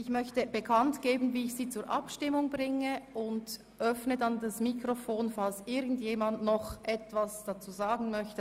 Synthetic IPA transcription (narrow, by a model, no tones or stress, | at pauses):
ʔɪçmœçtəb̥əkʰantɡ̥eːbn̩viːɪçsiːt͡suːɾʔɑ̰pʃtɪmʊŋbʁɪŋəʔʊnd | ʔœfnədandasmikrofoːnfalsʔɪɡn̩djeːmandnɔχʔɛtv̥asd̥at͡suːzaːɡn̩mœçtə